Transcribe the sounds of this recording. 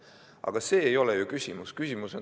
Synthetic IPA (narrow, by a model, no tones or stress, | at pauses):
ʔɑ̰ɡ̥ɑse̞ːjo̞lɛjukysʲimuskysʲimuso̞n